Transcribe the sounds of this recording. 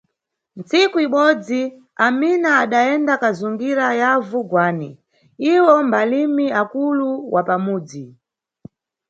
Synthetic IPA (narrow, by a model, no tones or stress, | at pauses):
nt͡sikuiɓɔd͡zi | aminaːɗaɛndakazuŋɡiɾajavuɡwaːni | iwɔmbalimiakuluwʔapamuːd͡zi